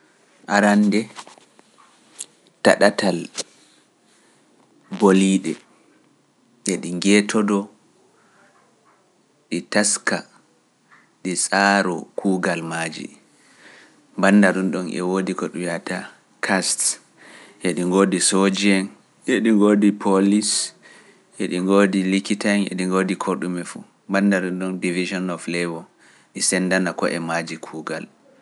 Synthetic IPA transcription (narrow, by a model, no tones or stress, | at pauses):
ʔaɾandɛ | ta̰ɗatal | boliɗɛ̰ | ɛɗiŋɡɛtʰɔdɔ | ɗitaska | ɗisʼaɾɔ̰kʰuːɡalmaːd͡ʒḭ | mbanːdaɗunɗɔnʔɛ̰wodikɔɗujata | kʰast | ʔeɗiŋɡoːdisod͡ʒɛn | ʔeɗiŋɡoːdipʰolis | ʔɛɗiŋɡoːdilikitanɛ̰ɗiŋɡodikʰoɗumɛfṵ | mbandaɗunɗɔndivid͡ʒɔnɔflɛwɔ | ɗisɛndanakɔ̰ʔɛmad͡ʒikʰuːɡal